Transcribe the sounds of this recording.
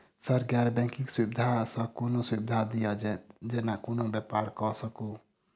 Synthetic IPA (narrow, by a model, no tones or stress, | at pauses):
səɾɡɛɾbɛ̃kikswibd̪ʱasəkonoswibd̪ʱad̪ijad͡ʒenakonobjɛpaɾkɔsəku